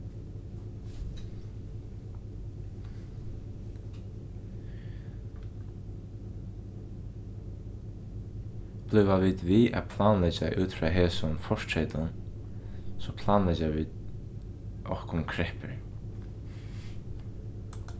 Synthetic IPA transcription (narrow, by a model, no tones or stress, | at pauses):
b̥lʏvaʋiːd̪viːa̰pʰlaːnlɛt͡ʃaʔuːt̪fɹaːɦeːsʊnfɔʂtɾɛt̪ʊn | sɔpʰlaːnlɛt͡ʃaʋiːd̪ | ɔhkʊnkʰɾɛhpɪɹ